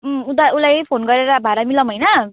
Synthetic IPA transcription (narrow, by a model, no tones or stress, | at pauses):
ut̪aulajpʰonɡʌɾeɾʌbʱaɾamilʌmɦʌjnʌ